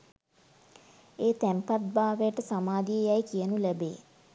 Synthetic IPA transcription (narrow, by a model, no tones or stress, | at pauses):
eːt̪æmpat̪̚baːʋejəʈəsamaːd̪ijəjajkiənulæbeː